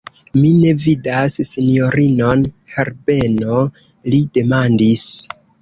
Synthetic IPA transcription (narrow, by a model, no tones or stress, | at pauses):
mine̞vidasːinio̞ɾino̞nheɾbe̞no̞ | lide̞mandis